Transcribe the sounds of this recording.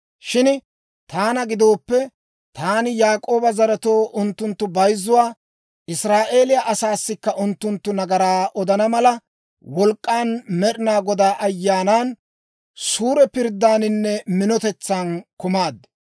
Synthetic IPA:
ʃɪn | t̪aːnɐɡɪd̪o̞ːpːɛ | t̪aːnɪjaːkʼo̞ːbɐzɐɾɐt̪o̞ːʔʊnt̪ːʊnt̪ːʊbɐjzːʊwaː | ʔɪsɾaːʔe̞ːlɪjaʔɐsaːsːɪkːɐʔʊnt̪ːʊnt̪ːʊnɐɡɐɾaːʔɔd̪ɐnɐmɐlɐ | wɔlkʼːaːnmɛɗɪnaːɡɔd̪aːʔɐjːaːnaːn | suːɾɛpɪɾd̪ːaːnɪnːɛmɪnɔt̪ɛt͡sːaːnkʊmaːd̪

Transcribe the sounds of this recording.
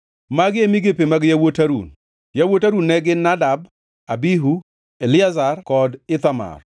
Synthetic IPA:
maɡɪemiɡepemaɡjawotaɾṵn | jawotaɾunːɛɡɪnadab̚ | abiɦu | elɪazarkɔdɪt̪ama̰r

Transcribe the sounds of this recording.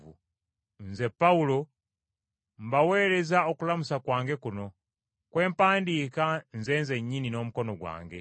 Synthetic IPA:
u | nzɛpaulɔ | mbawɛlɛzaukulamusakwaːŋɡɛkunɔ | kwɛːmpaːndikanzɛnzɛɲininomukɔnɔɡwa̰ːŋɡɛ

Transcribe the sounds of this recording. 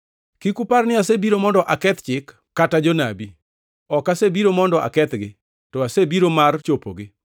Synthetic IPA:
kikuparnɪasebiɾomɔndɔʔakɛt̪t͡ʃɪkː | atad͡ʒɔnabi | ɔkasebiɾomɔndɔʔa̰kɛt̪ɡɪ | tɔasebiɾomart͡ʃopo̰ɡɪ

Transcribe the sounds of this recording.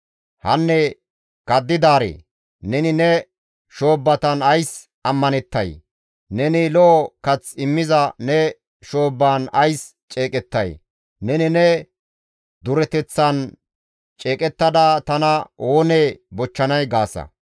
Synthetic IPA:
hɐnːɛ | kɐd̪ːɪd̪aːɾḛː | nɛnɪnɛ | ʃo̞ːbːɐt̪ɐnɐjs | ʔɐmːɐnɛt̪ːɐj | nɛnɪlɔʔɔkɐt͡sɪmːɪzɐnɛ | ʃo̞ːbːaːnɐjs | t͡ʃʼeːkʼɛt̪ːɐj | nɛnɪnɛ | d̪ʊɾɛt̪ɛt͡sːɐn | t͡ʃʼe̞ːkʼɛt̪ːɐd̪at̪ɐnɐoːneːbɔt͡ʃːɐnɐjɡaːsɐ̰

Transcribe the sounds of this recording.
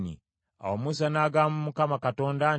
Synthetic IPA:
nḭ | a̰womus̬anaːɡaːmumukamakato̞ːnda

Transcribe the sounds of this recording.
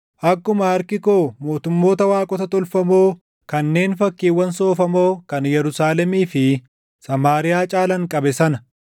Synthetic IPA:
ʔɐkːʊmɐhɐɾkɪko̞ːmo̞ːt̪ʊmːo̞ːt̪ɐwaːkʼɔt̪ɐt̪ɔlfɐmo̞ː | kɐnːe̞ːnfɐkːiːwːɐnso̞ːfɐmo̞ːkɐnjɛɾʊsaːlɛmiːfɪ | sɐmaːɾɪjaːt͡ʃʼaːlɐŋkʼɐbɛsɐnɐ

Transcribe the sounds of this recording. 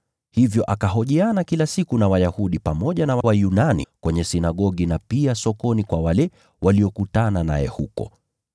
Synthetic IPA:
hivjɔʔakaɦɔʄianakilasikunawajahuɗipamɔʄanawawajunanḭkwɛɲɛsinaɠɔɠinapiasɔkɔnikwawalɛ | wʔaliɔkutanana̰jɛ̰hukɔ̰

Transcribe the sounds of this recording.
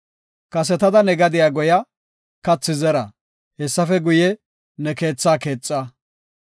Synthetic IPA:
kɐs̬ɛt̪ɐd̪ɐnɛɡɐd̪ɪjaːɡʊjɐ | kɐt͡sːɪzɛɾɐ̰ | hɛsːɐfɛɡʊjɛ | nɛke̞ːt͡sːaːke̞ːt͡sʼːɐ

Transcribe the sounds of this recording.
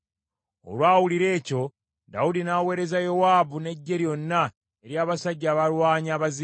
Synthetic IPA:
o̰lwaːwuliɾe̞ːco̞ | da̰udinaːwe̞ːɾe̞zajo̞waːbune̞ɟːe̞ɾjo̞nːa | eɾjaːβasaɟːaːβalwaːɲaːβazi

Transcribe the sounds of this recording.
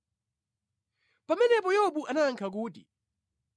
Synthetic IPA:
pamɛnɛpɔjɛɔɓuʔanaŋkʰak̬uːtḭ

